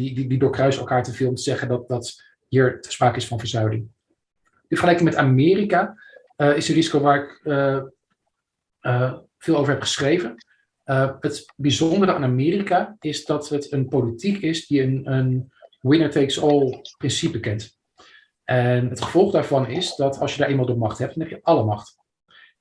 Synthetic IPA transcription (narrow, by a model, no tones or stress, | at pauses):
idididʊːɹkrœɥsɛlˠkaːɹtəvɪlˠɔmtəz̥ɛχəndɑt̚dɑt | ɦiːɹəspraːkəɪsfɑnvəɹzœɥlɪŋ | əfəɹχəlɛjkɪŋmɛtamɪːrika | əɪsənrizikowʋaːɹɪkə | ə | v̥ɪːlˠowvəɹɦɛpχə̥sχrejvən | əɦətbizɔndərəʔa̰ːnamɪːrikaɪzdɑtɦətənpowlitikɪsdiənənwɪnəɹtejksɔlˠprɪnsipəkɛnt | ʔɛnɦətχəv̥ɔlˠχdaːɹvɑnɪsdɑtɑ̰lˠsjədaːɹejmalˠdəmɑχtɦɛp̚tnɛpjəʔɑləmɑχt